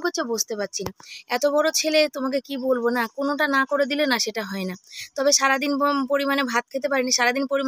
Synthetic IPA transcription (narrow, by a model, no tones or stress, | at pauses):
kot͡ɕʰebod͡ʑʱt̪epat̪ːɕʰinaɛt̪obɔɽɾot͡ɕʰelet̪omak̬ekibolbonakonoʈanakoɾed̪ilenaʃeʈaɦɔenat̪ɔbeʃaɾad̪inpoɾimanebʱat̪̚kʰet̪̬epaɾiniʃaɾad̪inpoɾim